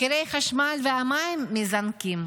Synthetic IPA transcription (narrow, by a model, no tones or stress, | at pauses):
keɾejχaʃmalveamajmːizankim